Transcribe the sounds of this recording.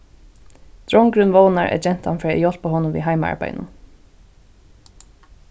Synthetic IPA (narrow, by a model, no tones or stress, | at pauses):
t̪ɹɔŋkɾʏnvɔːwnaɹʔɛ̰d͡ʒɛn̥t̪anfɹaːɛjɔl̥paɦɔːnʊmvḭɦajmaa̰ɹpa̰jnʊ̰n